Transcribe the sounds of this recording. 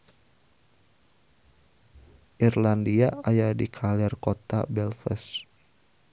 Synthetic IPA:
ʔirlandiaajadikʰalɛrkot̪a̰bɛlfɛ̰s

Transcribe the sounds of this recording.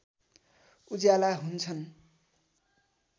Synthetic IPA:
ud͡zalaɦunt͡sʰʌn

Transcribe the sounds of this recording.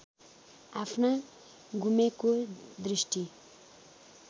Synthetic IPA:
apʰna | ɡumekod̪risʈi

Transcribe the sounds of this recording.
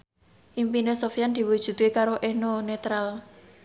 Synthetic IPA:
ʔimpinesofijand̪̥i̤wud̥ʒ̥ṳt̪̚kekaɾoʔenonet̪ɾal

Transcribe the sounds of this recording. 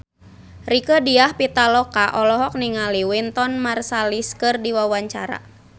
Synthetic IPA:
rikədiahpit̪alɔkaʔɔlɔɦɔk̚niŋaliwint̪ɔnmarsaliskɨrdiwawaɲt͡ʃa̰ɾa̰

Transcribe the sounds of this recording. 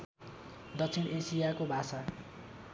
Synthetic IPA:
d̪ʌk̚sʰinesijakobʱasa

